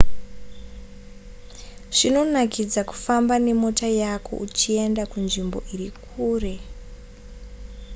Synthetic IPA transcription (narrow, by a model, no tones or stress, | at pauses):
ʐ̥ino̞nakid͡zaku̥fambane̞mo̞tajakʰo̞̰ʔut͡ʃie̞ndakunʐimbo̞̰ʔirikʰuːre̞